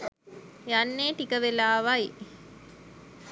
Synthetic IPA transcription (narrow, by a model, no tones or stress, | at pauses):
janːeːʈikəʋelaːʋai